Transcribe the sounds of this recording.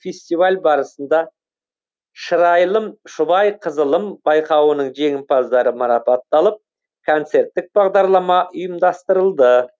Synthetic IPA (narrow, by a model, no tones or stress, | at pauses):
fʲesʲt̪ivalʲbɑɾəsənd̪ɑ | ʃəɾɑjlˠəmʃʊbɑjqʰəzəlˠəmbɑjqɑwənəɴʒe̞ŋɪmpʰɑzd̪ɑɾəmɑɾɑpɑt̪ːɑlˠəp̚ | kʰont̪se̞ɾt̪ːɪk̚bɑʁd̪ɑɾlˠɑmɑʔʊjəmd̪ɑst̪əɾəlˠd̪ə